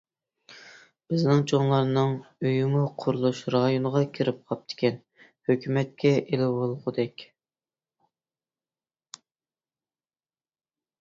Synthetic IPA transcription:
b̥ɪznɪŋt͡ʃʰoŋlˠɑɾnɨŋøjymuqʰʊɾulˠuʃɾɑjonəʁɑkʲʰiɾɪp̚qʰɑp̚t̪ʰɪ̥kʲʰɛn | høkʲymɛt̪̚kʲɛʔelɪwolˠʁʊd̪ɛkʲ

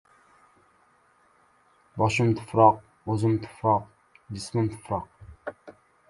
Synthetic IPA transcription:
bɑʃɪmt̪ʰʊ̥fɾɑq̚ | ozɨmt̪ʰʊ̥fɾɑq̚ | d̪ismɨmt̪ʰu̥fɾɑq̚

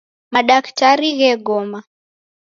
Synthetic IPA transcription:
maɗaktaɾiɣɛɡɔma

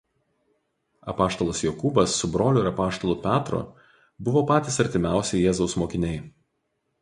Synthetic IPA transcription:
ɐ̰pɑːʃt̪oːlˠɐsjokubɐsːʊbɾoːlʲʊɪɾɐpɑːʃt̪oːlˠʊpʲæːt̪ɾo̰ː | bʊʋoːpɑːt̪ʲiːsɐɾʲt̪ʲɪmʲæˑʊsʲɛɪjɛːzɐʊsmoːkʲɪnʲɛɪ

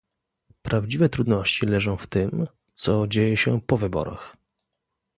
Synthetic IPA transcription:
pɾavd͡ʑivɛt̪ɾud̪nɔɕt͡ɕilɛʐɔ̃w̃ft̪ɘm | t̪sɔd͡ʑejɛɕɛpɔvɘbɔ̰ɾa̰x

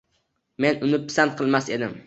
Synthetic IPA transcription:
me̞nʊnɪpʰɪ̥sant̪̚qʰɨlˠmase̞d̪ɪm

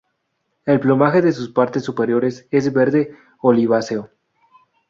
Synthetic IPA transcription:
e̞lplomaxe̞ðe̞s̬uspaɾt̪e̞sːupe̞ɾjo̞ɾe̞se̞zβe̞ɾðe̞ | oliβaseo

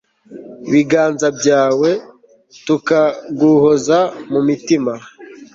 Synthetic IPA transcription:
βiɡaːnzabɟaːwe̞ | tukaɡuhozamumitima

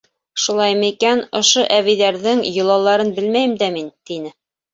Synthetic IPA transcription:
ʃulˠɑjmɤikænŏʃoʔæβiðæɾðɘŋjɤ̆lˠɑlˠɑɾɤnbɘlmæjɘ̆md̪æmint̪inɘ

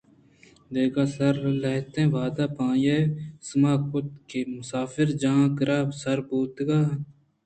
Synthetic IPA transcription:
d̪eːɡaːsɐɾlɐɦt̪ẽːʋaːd̪aːpãːjeːsəmaːkʊt̪kemʊsaːfɪɾd͡ʒaːãːkəɾʔaːbsɐɾbuːt̪ɡaː

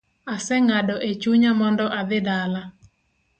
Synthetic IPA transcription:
asɛŋadɔʔet͡ʃuɲamɔndɔʔad̪ɪdala

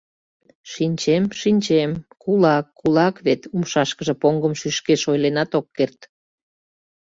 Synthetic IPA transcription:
ʃinʲt͡ɕemʃinʲt͡ɕemkulɑkːulɑkβet̪umʃɑʃkəʒə̆poŋɡəmʃyʃkeʃojlenɑt̪okːert̪

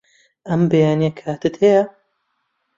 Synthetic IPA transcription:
ʔɐmbejaːniɐkʰaːt̪ɨt̪hejɐ

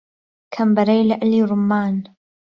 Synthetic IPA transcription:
kʰambaɾeːlaʔaliɾʊmːaːn

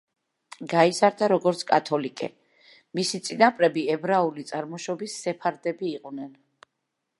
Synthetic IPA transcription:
ɡaizaɾd̪aɾɔɡɔɾt̪sʰkʼat̪ʰɔlikʼɛ̰ | misit̪sʼinapʼɾɛbiɛbɾaulit̪sʼaɾmɔʃɔbisːɛpʰaɾd̪ɛbiːqʼnɛn

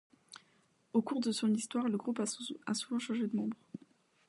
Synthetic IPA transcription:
okuʁd̪əsɔ̃nist̪waʁləɡʁupasuvɑ̃ʃɑ̃ʒed̪əmɑ̃bʁ

